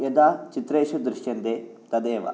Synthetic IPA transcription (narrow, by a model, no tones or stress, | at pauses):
jed̪aːt͡ʃit̪ɾeːʃud̪ɾɪʂjɐnd̪eː | t̪ɐd̪eːʋɐ̰